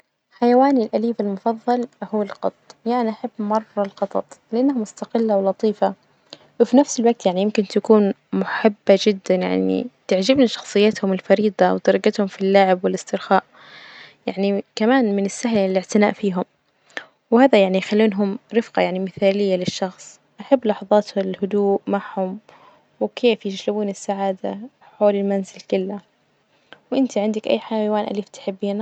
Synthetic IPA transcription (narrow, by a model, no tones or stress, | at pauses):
ħajawaːnilʔaliːfalmʊfɑðˤːɑlhʊwːalqɑt̪ˤjaʔanaʔaħabːmɑrˤːɑlqɑt̪ˤɑ̰t̪ˤlɪʔanːahamʊst̪aqɪlːawlɑt̪ˤiːfa | wɪfinafsɪlwaɡ̚t̪jaʕnijɪmkɪnt̪akuːn | mʊħɪbːad͡ʒɪd̪ːanja̰ʕnḭt̪ɪʕd͡ʒɪbnaʃɑ̥xsˤɨjːat̪hʊmɪlfɑɾiːd̪ˤɑwɪt̪ɑɾˤɑɡat̪hʊmfilːaːʕɪbwɪlɪst̪ɪɾxaːʔ | jaʕnikamaːnmɪnɪsːaɦllɪʕt̪ɪnaːʔfiːɦʊm | wɪhaːðajaʕnijxalːiːnɦʊmɾɪfqɑjaʕnimɪθaːlɪjːalɪʃːɑxsˤ | ʔaħabːlɑħɑðˤɑːt̪hɪlhʊd̪uːʔmaʕhʊm | wɪkʰeːfjɪʃɾɪbuːnɪsːaʕaːd̪a | ħoːlɪlmanzɪlkɪlːa | wʔɪnt̪iʕɪnd̪akʔa̰jːħaamwaːnʔa̰liːft̪ɪ̥ħɪbːiːna